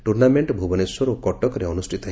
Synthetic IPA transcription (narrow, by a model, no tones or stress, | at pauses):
ʈuɾnameɳʈbʱubɔneswɔɾokɔʈɔkɔɾeɔnusʈʰit̪ɔɦ